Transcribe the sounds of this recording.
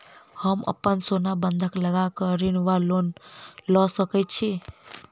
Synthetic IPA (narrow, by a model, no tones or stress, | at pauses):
həmə̰pənsonabənd̪ʱəkləɡakəɾinʋalonlɔsəkɛt̚t͡ʃʰi